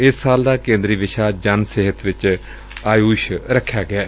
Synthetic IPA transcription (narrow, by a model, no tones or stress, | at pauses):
ɪsːaːld̪aːkẽːnd̪ɾiːʋɪʃaːd͡ʒənsɪɦət̪ʋɪt͡ʃ | aːjuːʃɾəkʰːjaːɡɪɛː